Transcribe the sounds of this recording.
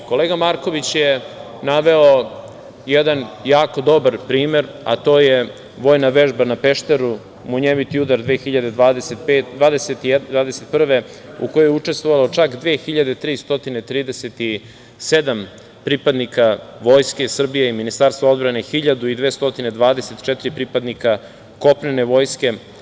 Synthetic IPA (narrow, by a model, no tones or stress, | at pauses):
ko̞leɡamaɾko̞ʋit͡ɕje | naʋe̞o | jed̪anjaːko̞d̪o̞baɾpɾiːme̞ɾ | a̰t̪o̞ːje | ʋo̞ːjnaʋe̞ʒbanape̞ʃt̪eɾu | muɲemit̪iud̪aɾd̪ʋe̞ːxiʎad̪e̞d̪aːd̪eset̪pet̪d̪ʋaːd̪eset̪id̪ʋaːd̪eset̪̚pr̩ʋeuko̞jojeut͡ʃe̞st̪vʋoʋalot͡ʂakd̪ʋeːxiʎad̪e̞t̪ɾiːst̪o̞t̪ine̞t̪ɾiːd̪eset̪i | sed̪am | pɾipad̪nikaʋo̞jske̞sr̩bijeiminist̪aːɾst̪vao̞d̪bɾane̞xiʎad̪uid̪ʋe̞ːst̪o̞t̪ined̪ʋaːd̪e̞set̪t͡ʃɛt̪iɾipɾipad̪nika | ko̞pnene̞ʋo̞ːjske̞